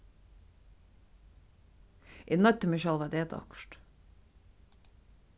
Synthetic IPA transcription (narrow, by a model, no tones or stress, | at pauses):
ʔinœt̪əmɪʃɛlˠʋɑd̪eːt̪ɑ̰kʃʈ